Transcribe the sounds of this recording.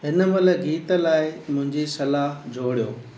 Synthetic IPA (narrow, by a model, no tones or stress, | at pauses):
ɦɪnə̆mɐlə̆ɡiːt̪ə̆laːɪmʊ̃ɦɪ̃ɲd͡ʑisɐlaːɦd͡ʑoːɽijoː